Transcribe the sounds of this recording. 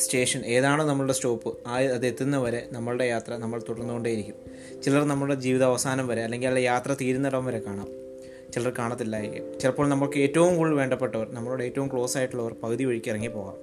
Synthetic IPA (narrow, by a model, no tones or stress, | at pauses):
ste̞ːʂɐnʔe̞ːðaːɳɨnɐmːɐɭuɽesto̞ːpːɨaɐðe̞t̪ːinːɐʋɐɾe̞nɐmːɐɭuɽe̞jaːt̪rɐnɐmːɐɭt̪uɽɐrnːuɣo̞ɳɖaːjiɾikʲːum | t͡ɕilɐrnɐmːɐɭuɽed͡ʑiːʋiðɐːʋɐsaːnɐmʋɐɾe̞ɐlːe̞ŋɡilːɐjaːt̪rɐt̪iːɾunːɐɽɐʋumʋɐɾe̞kaːɳaːm | t͡ɕilɐrkaːɳɐt̪ːilːaːjeɡḭt͡ɕilɐpːoːɭnɐmːɐɭkɨeːtːɐʋumkuːɭʋe̞ːɳɖɐpːe̞ʈːɐʋɐrnɐmːɐɭuɽeeːtːɐʋumkɭo̞ːsaːjiʈːuɭːɐʋɐrpɐɣɐðiʋɐɻikʲːirɐŋːipːo̞ːɣa̰ːm